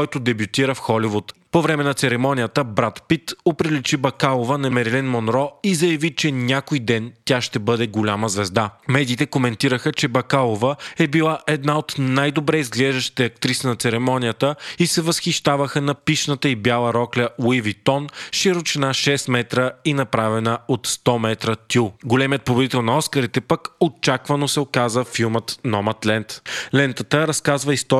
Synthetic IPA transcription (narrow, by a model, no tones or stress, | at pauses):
ɔjt̪ʊd̪ɛbjut̪iɾəfxɔlivut̪povɾɛmɛnɐt̪sɛɾɛmɔnʲijət̪əbɾat̪pit̪opɾilit͡ʃibɐkalˠovənɐmɛɾilɛnmonɾɔizɐjɐvit͡ʃɛnʲakojd̪ɛnt̪ʲaʃt̪ɛbɤd̪ɛɡolʲaməzvɛzd̪amɛd̪iːt̪ɛkomɛnt̪iɾəxət͡ʃɛbɐkalˠovəɛbilˠaʔɛd̪naot̪najd̪obɾɛizɡlɛʒd̪əʃt̪i̥t̪ɛɐk̚t̪ɾisənɐt̪sɛɾɛmɔnijət̪əisɛvɐsxiʃt̪avəxənɐpiʃnət̪əibjalˠəɾɔklɛwivit̪ɔnʃiɾot͡ʃɛnaʃɛst̪mɛt̪ɾəinɐpɾavɛnəot̪st̪ɔmɛt̪ɾət̪uɡolɛmiət̪̚pobod̪it̪ɛlˠnɐɔskəɾit̪ɛpəkot͡ʃakvɐnosɛokazəfilˠmət̪nɔmət̪lɛnt̪lɛnt̪ət̪əɾɐskazvəist̪ɔ